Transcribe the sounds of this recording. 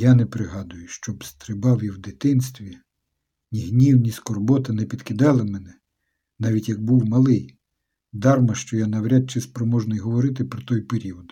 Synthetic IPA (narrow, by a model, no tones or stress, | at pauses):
janɛpɾɪɦɑd̪ʊjʊʃt͡ʃɔbst̪ɾɪbɑwjiwd̪ɪt̪ɪnst̪ʋʲi | nʲiɦnʲiwnʲiskɔrbɔt̪ɐnɛpʲid̪kɪd̪ɑlˠɪmɛnɛ | nɑʋʲitʲjɐɡ̚buwmɐlˠɪj | d̪ɑrmɐʃt͡ʃɔjanɐwɾʲad̪̚t͡ʃɪspɾɔmɔʒnɔjɦɔʋɔɾɪt̪ɪpɾɔt̪ɔjpeɾʲiɔd̪